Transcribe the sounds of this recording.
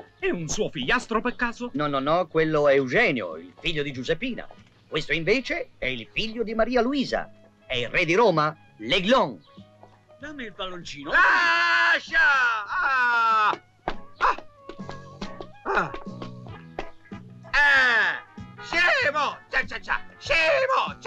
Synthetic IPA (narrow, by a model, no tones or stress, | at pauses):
ɛunsuofiʎːast̪ɾopekːaːzonɔnːɔnːɔkːwelːoewd͡ʒɛːnjo̰ḭlfiʎːod̪id͡ʒuzepːiːna̰ | kwest̪oiɱveːt͡ʃeɛilfiʎːod̪imaɾiːaluiːza̰ | ɛilrɛd̪iɾɔːma | leɡlɔŋ | d̪amelbalont͡ʃiːnola | ʃaa | a | a | ɛ | ʃemot͡ʃat͡ʃat͡ʃa̰ʃeot͡ʃ